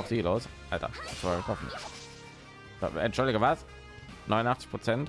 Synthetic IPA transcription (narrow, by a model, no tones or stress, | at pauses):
ʊfz̥iːloːsʔaltɐ̰t͡svaɪɡətʁɔfən̩ | a̰ɛntʃʊldɪɡəvas | nɔʏnʊnʔaχt͡sɪ̥çpʁ̥ot͡sɛnt